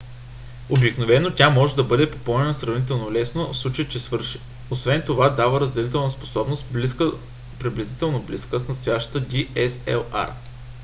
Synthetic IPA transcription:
obiknovɛnot̪ʲamɔʒɛd̪ɐbɤd̪ɛpo̥pɔlˠnɛnosɾɐvnit̪ɛlˠnolɛsnofslˠut͡ʃəjit͡ʃɛsvɤɾʃ | osvɛnt̪ovad̪avəɾəzd̪ɛlit̪ɛlˠnəspo̥sɔbnost̪bliskə | pɾiblʲɛzit̪ɛlˠnobliskəsnɐt̪st̪ojaʃt̪ə̥t̪əd̪ʲiɛsɛ̰lˠa̰ɾ

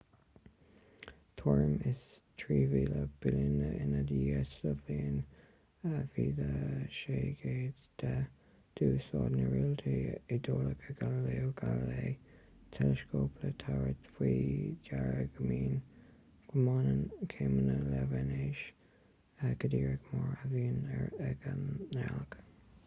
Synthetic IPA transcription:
t̪ʰɔɹmɪs | t̪ʰɹiːviːləb̥ɪlɪnəɪnadiɛsləvliːən | əviːd̪əʃeːɡ̥eːd | d̪̥ə | d̪̥uːsɑːd̪nəɹilt̪ʰeɪd̪oːləkʰəɡaləleːoɡ̥aləleː | t̪ʰɛləskoːpʰlət̪ʰaɹət̪fwiːdaɹəɡəmiːn | ɡ̥əmɑːnənkʰeːmənəlɛvɛneʃ | əɡ̥əd̪iːɹəɡmɑɹəviːnɛɛɡəɛlɡ

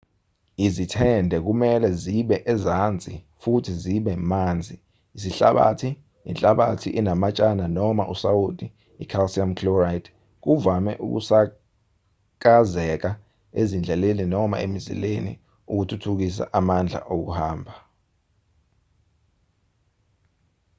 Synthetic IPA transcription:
izitʰɛndʱɛk̬umɛlɛziɓɛʔɛzand͡zʱʼifutʰiziɓɛmand͡zʱiː | siɬa̰ɓa̰tʰi | ḭnt͡ɬʼaɓatʰiʔinamat͡ʃʼananɔmaʔusaud̥ʱʼiː | kʰalsiamkʰlurajt | k̬uvamɛ̰ʔṵk̬ṵsa | k̬azɛk̬a | ezind͡ɮʱɛleninɔma̰emizḭlenḭ | uk̬utʰutʰuk̬is̬a̰ʔamand͡ɮʱa̰ʔok̬uhaːmbʱa

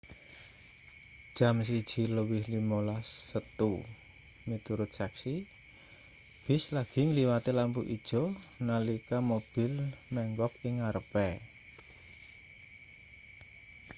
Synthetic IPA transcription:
d̥ʒ̥a̤ms̬id̥ʒ̥i̤ləwɪhlimolasːət̪u | mit̪uɾʊt̪̚sɛksi | b̥ɪ̤slaɡ̥i̤ŋəliwat̪elampuʔid̥ʒ̥ɔ̤ | nalikamob̥ɪ̤lmɛŋɡɔp̚ɪŋaɾəpɛ

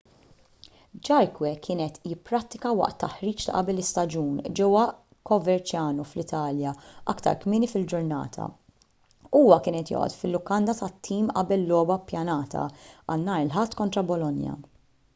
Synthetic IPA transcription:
d͡ʒɐɾkwɛkʰɪːnɛt̪jɪpːɾɐt̪ːɪkɐwɐ̰ʔt̪ːɐħɾiːt͡ʃt̪ɐ̰ʔɐbɛlɪst̪ɐd͡ʒuːnd͡ʒɛwːɐ | kɔvɛɾt͡ʃjɐːnuflɪt̪ɐːljɐɐkt̪ɐ̰ɾkmɪːnifɪld͡ʒʊɾnɐ̰ːt̪ʰɐ̰ | uːwɐkɪːnɛt̪jɔ̰ːʔɔ̰t̪fɪlːʊkɐnd̪ɐt̪ɐt̪ʰːiːmʔɐ̰bɛlːɔːbɐpjɐnɐːt̪ʰɐ̰ɐ̰nːɐːɾɪlħɐt̪ːkɔnt̪ɾɐbɔlɔnjɐ̰

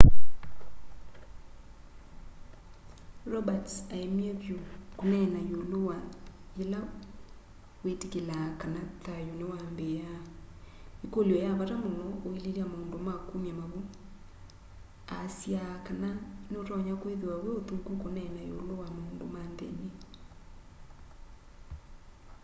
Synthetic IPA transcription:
ɾɔbataemiɛβjokonɛnajolowajela | wetikelakanatajonewambeja | ekoljɔjaβaɾamonɔoileliamoːndomakumjamaβo | asjakananeoɾɔɲakweðewawɛotukukonɛnajo̰lowamoːndomandɛ̰ne

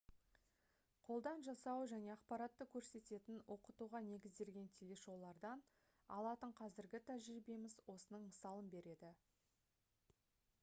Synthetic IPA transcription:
qʰo̞lˠd̪ɑnʒɑsɑwʒæne̞ɑqpɑɾɑt̪ːəkʲʰɵɾse̞t̪e̞t̪ɪnwʔo̞qət̪uʁɑne̞ɡʲɪzd̪e̞lɡʲe̞nt̪ʰelʲe̞ʃo̞lˠɑɾd̪ɑn | ɑ̰lˠɑt̪əɴqʰɑzɪɾɡʲɪt̪ʰæʒɪbe̞mɪzwo̞sənəɴməsɑlˠənbe̞ɾe̞d̪ɪ

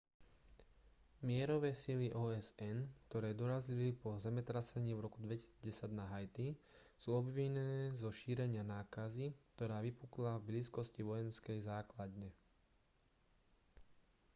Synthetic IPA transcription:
mɪɛɾɔʋɛːsiliʔɔːɛzɛnkt̪ɔɾɛːd̪ɔɾazilipɔzɛmɛt̪ɾasɛɲiːvɾɔkud̪ʋɛci̥siːd͡zɟɛsaɟnaɦajt̪i | suːɔbʋiɲɛnɛːzɔʃiːɾɛɲɪanaːkazikt̪ɔɾaːʋipuklavbliːskɔsciʋɔjɛnskɛjzaːklad̪ɲɛ

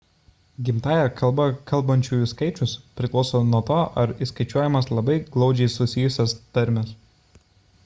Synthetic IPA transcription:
ɡʲɪmt̪ɑːjɛkɐlˠbɐkɐlˑˠbɐnʲt͡ʃʲuːjʊskɐɪt͡ʃʲʊspʲɾʲɪklˠɒʊsoːnuɔt̪oːʔɐɾiskɐɪt͡ʃʲuɔjɛmɐslˠɐbɐɪɡlˠɒʊd͡ʒʲɛɪsʊsʲɪjʊsʲɛst̪ɐɾʲmʲɛs

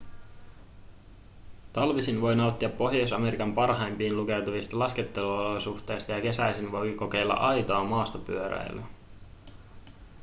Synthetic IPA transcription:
t̪ɑlʋisinʋo̞jnɑot̪ːiɑpːo̞ɦjosɑme̞ɾikɑmpɑrɦɑjmpiːnluke̞wt̪uʋist̪ɑlɑske̞t̪ːe̞luolosuxt̪e̞ːjst̪ɑjɑke̞sæjsinʋo̞jko̞ke̞jlːɑ̰ʔɑjt̪o̞ɑmɑːst̪opyøɾæ̰j̰lø̰

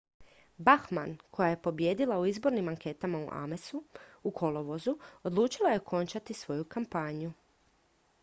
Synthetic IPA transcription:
baxmankʰo̞jaje̞po̞bje̞d̪ilauizbo̞ɾnimaŋke̞ːt̪amaṵʔa̰mesuukʰo̞loʋozuo̞d̪lˠuːt͡ʃilaje̞okʰo̞nt͡ʃat̪isʋo̞jukampaːɲju

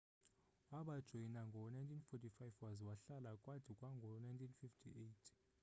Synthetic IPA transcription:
waɓad̥ʒ̥ʱɔinaŋɡʱɔnajntʰinfɔtʰʼifajfwazwaɬalakʼwad̥ʰʱikʼwaŋɡʱɔnajntʰinfiftʰiʔejtʰ

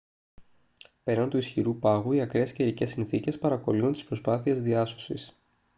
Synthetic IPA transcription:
pe̞ɾɐnt̪uisçiɾupɐɣuiɐkɾeesceɾice̞sːinθice̞spɐɾɐko̞liunt̪i̥spɾo̞spɐθie̞zðiɐso̞sis

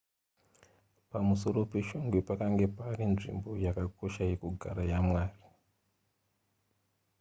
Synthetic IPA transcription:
pamuso̞ro̞pe̞ʃoŋɡwepakaŋɡe̞parinʐḭmbo̞jakako̞ʃajekuɡʱa̰ɾajamwaːri

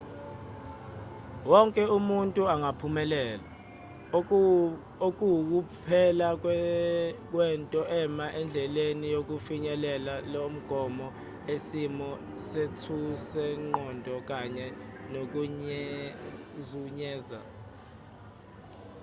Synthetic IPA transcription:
wɔŋkʼɛumuntʼuaŋapʰumɛlɛːla | ok̬ʼuwk̬upʰɛla | k̬wɛntʼɔʔɛmaʔɛnd͡ɮʱɛlenijok̬ufiɲɛlɛlalom̩ɡ̥ʱɔmɔ | esimɔ | setʰusɛŋ͡ǃɔndʱɔk̬aɲɛnok̬uɲ | zuɲɛːza̰

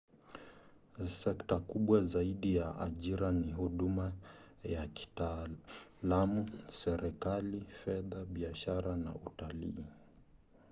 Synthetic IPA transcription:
sɛktakuɓwazaiɗijaʔa̰ʄiɾaniɦuɗumajaki̥ta | lamusɛɾɛkalifɛðaɓiaʃaɾana̰utalḭː

